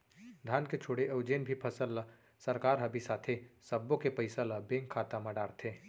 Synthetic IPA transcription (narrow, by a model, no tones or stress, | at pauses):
d̪ʱaːnket͡ʃʰoːɽeʔɐʊd͡ʒeːnbʱipʰɐsəlːɐ | sɐɾkaːɾɦɐbʱisaːt̪ʰesɐbːõkepəɪsəlɐbẽːŋkʰːaːt̪amɐɖaːɾt̪ʰẽː